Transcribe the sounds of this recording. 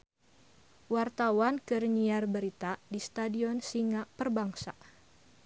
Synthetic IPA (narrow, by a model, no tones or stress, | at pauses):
wart̪awankɨrɲiarbəɾit̪adist̪adiɔnsiŋaʔpərbaŋsa